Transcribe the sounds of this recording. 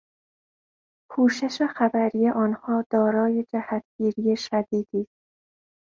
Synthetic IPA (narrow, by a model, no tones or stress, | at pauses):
pʰuːʃe̞ʃexæbæɾije̞ʔɒːnhɒːd̪̥ɒːɾɒːje̞d͡ʒæhæt̪ʰɡ̥iːɾijeʃæd̪iːd̪̥iːst̪